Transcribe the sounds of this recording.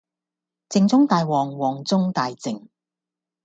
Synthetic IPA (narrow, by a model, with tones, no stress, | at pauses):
t͡sɪ˧ŋt͡sʊ˥ŋt̪aː˨˧jwɔː˨˩ŋwɔː˨˩ŋt͡sʊ˥ŋt̪aː˧jt͡sɪ˨ŋ